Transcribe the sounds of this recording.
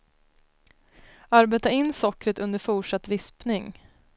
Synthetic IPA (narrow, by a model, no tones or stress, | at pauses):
aɾbeːt̪aɪnːsɔkɾət̪ɵnd̪əɾfuːʂat̪ːvɪspnɪŋ